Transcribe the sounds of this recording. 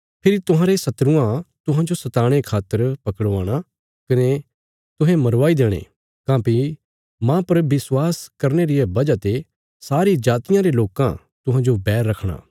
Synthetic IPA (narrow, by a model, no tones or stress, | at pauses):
pʰɪɾit̪ʊɦãːɾesɐt̪ɾʊ̃ãt̪ʊɦãd͡ʒosɐt̪aːɽ̃ekʰaːt̪ːəɾpɐkɽaːɽ̃a | kɐne | t̪ʊɦẽmɐɾʋaːid̪eːɽ̃ḛ | kãːpi | mãːpɐɾbɪswaːskɐɾneɾɪjebɐd͡ʒat̪e | saːɾid͡ʒaːt̪ɪjãɾeloːkã̰ | t̪ʊɦãd͡ʒobɛːɾːɐkʰɽ̃a̰ː